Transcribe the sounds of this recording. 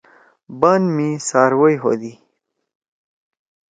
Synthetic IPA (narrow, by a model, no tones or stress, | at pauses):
banmisɑːɾwəjɦo̰d̪i